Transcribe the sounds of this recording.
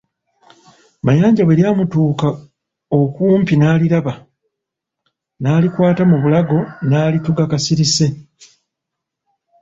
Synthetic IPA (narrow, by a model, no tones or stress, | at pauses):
majaːɲɟaβweɾjaːmutuːka | okuːmpinaːliɾaβa | naːlikwaːtamuβulaɡo̞naːlituɡakasiɾise̞